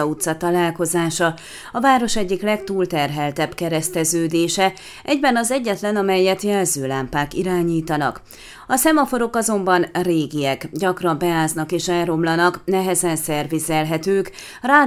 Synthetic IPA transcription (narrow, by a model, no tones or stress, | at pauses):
ut̪sːɒt̪ɒlaːlko̞zaːʃɒ | ɒvaːɾo̞ʃɛɟːiklɛkt̪uːlt̪ɛrɦɛlt̪ɛbkɛɾɛst̪ɛzøːd̪eːʃɛ | ʔɛɟbɛnɒzɛɟːɛt̪lɛnɒmɛjːɛt̪jɛlzøːlaːmpaːkiɾaːɲiːt̪ɒnɒ̰k | ɒsɛmɒfo̞ɾo̞kɒzo̞mbɒnreːɡiɛkɟɒkrɒmbɛaːznɒkeːʃɛlro̞mlɒnɒknɛɦɛzɛnsɛrvizɛlɦɛt̪øːk | raː